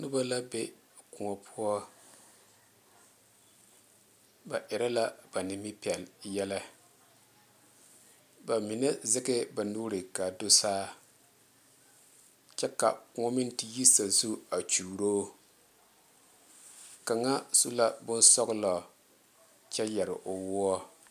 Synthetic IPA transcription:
nʊ˦ba˦la˦be˦ | kʊ˨ŋɔ˨pʰʊ˦ɔ˦ | ba˨ʔɪ˨ɾa˦la˦ba˨nɪ˨mi˦pi˨ɛ˨ljɛ˦la˦ | ba˨mi˨nɛ˦zɪ˦ɡɪ˦ba˨nuː˦ɾɪ˨ka˨do˦saː˦ | t͡ʃɛ˦ka̰˨kʊ˦ŋɔ˦mi˦nti˦ji˦sa˨zu˦a˨t͡ʃuː˨ɾoː˦ | ka˨ŋa˦su˦la˦bʊ˦nsɔ˦ɡla˨ | t͡ʃɛ˦jɛ˨ɾɪ̰˨ʔʊ˨wʊ˦ɔ˦

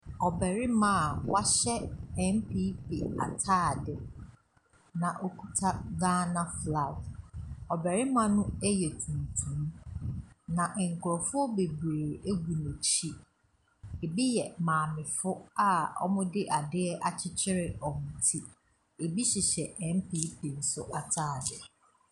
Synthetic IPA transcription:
ɔ˨bɛ˨ɾɪ˦mã˦˨wa˦ɕɛ˦ɛ˦m˦pʰiː˦pḭ˨a̰˨tʰaː˦˨dɪ˨ | nã˨ʔo˦kʰu˦tʰa˦ɡãː˦nã˦fla˨dɔ˨bɛ˨ɾɪ˦mã˦nʊ̃˦ɛ˦jɛ˨tʰũ˨n˨tʰũ˨˦m | nã˨ʔŋ̩˨kʰʊ˨ɾɔ˨fʊ˦ɔ˦be˨bɾeː˨ɾe˦ɡu˨ne˨t͡ɕʰi˦ | e˨bi˦jɛ˨mãː˨mɪ̃˨fʊ˦a˦ɔ̰˦mʊ̃˦dɪ˦ʔa˨dɪ˦ɛ˦ʔa˨t͡ɕʰɪ˦t͡ɕʰɪ˦ɾɪ˨ɔ˨n̩˨tʰi˦ | e˨bi˦ɕɪ˨ɕɛ˨ɛ̃˨m˦pʰi˦pʰi˨n̩˨˦sʊ˦ʔa˨tʰaː˦˨dɪ˨

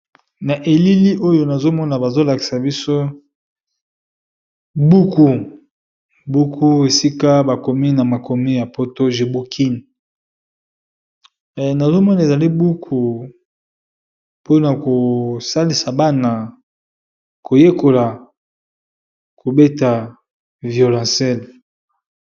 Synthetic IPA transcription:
na˨ʔe˨li˦li˦ʔo˦jo˨na˨zo˦mɔ˦na˨ba˨zo˦la˨ki̥˨sa˨bi˦so˦ | bu˦ku˨ | bu˦kʰu˦e˨si˦ka˦ba˨ko˨mi˦na˨ma˨ko˨mi˦ja˨po˦to˦ʒe˨bu˦kʰi˦n˨ | na˨zo˦mɔ˦na˨e˨za˨li˦bu˦kʰu˨ | po˦na˨ko˨sa˦li˨sa˨ba˦na˨ | ko˨je˦ko˨la˨ | ko˨be˦ta˨ | vjo˨lã˨sɛ˦˨l

